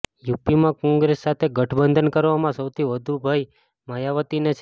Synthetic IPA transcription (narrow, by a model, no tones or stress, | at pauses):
jupimãkɔ̃ŋɡɾesːat̪ʰeɡəʈʰbənd̪ʱənkəɾʋamãsəwt̪ʰiʋəd̪ʱubʱaj | məjaʋət̪inet͡ʃʰ